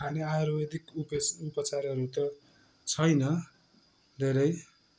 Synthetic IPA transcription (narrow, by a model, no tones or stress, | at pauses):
ɦaniaɾwʌd̪ikupupʌt͡sarɦʌɾut̪ʌ | t͡sʰʌjnʌ | d̪ʱeɾʌj